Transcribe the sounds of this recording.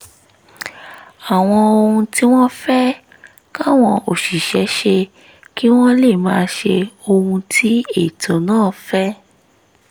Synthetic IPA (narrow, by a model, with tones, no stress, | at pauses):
a˨w̃ɔ̃˧o˧hũ˧ti˦w̃ɔ̃˦fɛ˦ | ka˦˨w̃ɔ̃˧o˨ʃi˨ʃɛ˨˦ʃe˧ | ki˦w̃ɔ̃˦le˦˨mãː˧ʃe˧o˧hũ˧tʰi˨˦e˦˨tʰõ˨˦nãː˦˨fɛ˦